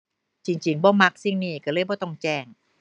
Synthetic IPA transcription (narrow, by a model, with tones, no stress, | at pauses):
t͡ɕi˧ŋt͡ɕi˧ŋbɔː˧˩˦ma˧˥k̚si˧˥˩ŋniː˧˩ka˧˩lɤː˧˩˨jbɔː˧˦t̪ɔ˧˩ŋt͡ɕɛː˧˩ŋ